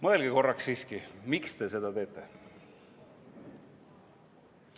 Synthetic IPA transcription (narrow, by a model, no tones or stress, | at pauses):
moelɡ̥iko̞rːɑksːiːskimikst̪e̞se̞d̪̥ɑt̪e̞ːt̪ːˑe̞